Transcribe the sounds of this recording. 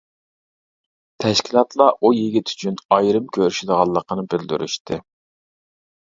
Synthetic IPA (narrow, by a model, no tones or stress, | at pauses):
t̪ʰɛʃkʲʰilˠɑt̪ʰlˠɑʔujeɡʲit̪ʰy̥t͡ʃʰynɑjɾɨmkʲʰøɾyʃɪd̪əʁɑlˠːəqʰənɨbɪld̪y̰ɾy̰ʃt̪ʰɨ